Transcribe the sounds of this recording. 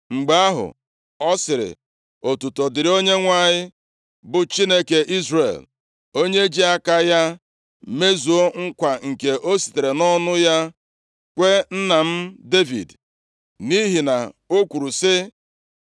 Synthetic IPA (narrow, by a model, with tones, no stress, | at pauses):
ŋ͡m̩˨ɡ͡ba˦a˦ɦʊ̰˨ | ɔ˦sɪ˨ɾɪ̰˨ | o˨tu˨to˨dɪ˨ɾɪ˨˦o˦ɲe˦ŋʷa˦ɲɪ˦ | bʊ˨t͡ʃi˦ne˦ke˨ʔi˦zrḛ˨l | o˦ɲe˦d͡ʒi˦a˦ka˦ja˦ | me˦zu˨o˦ŋ̩˦kʷa˨ŋ̩˨ke˨ʔo˦si̥˨te˨ɾe˨nɔ˦nʊ˦ja˦ | kʷe˦n̩˦na˨m̩˦de˦vḭ˨d | ni˦ɦi˨na˨o˦kʷu˨ɾu˨sɪ˦